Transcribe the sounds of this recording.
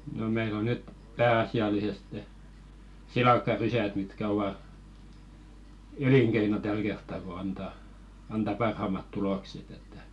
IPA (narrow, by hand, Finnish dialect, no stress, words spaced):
no meil o nyt pæːɑsiɑliseste silɑˑkːɑrysæt mitkæ oʋɑ eliŋkeino tæl kertːɑ ko ɑntɑ ɑntɑ pɑrhɑˑmɑt tulokset etːæ